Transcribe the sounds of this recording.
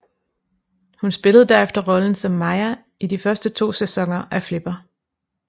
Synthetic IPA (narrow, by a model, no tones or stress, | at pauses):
hunsb̥e̝ləð̩ˠd̥æɐ̰efd̥ɐʁɒ̽ln̩sɒ̽mːɑ̈ɪæ | id̥ifɶɐsd̥ət͡sʰo̝̰ːsesɒ̽ŋ̰ɐʔæfle̝b̥ɐ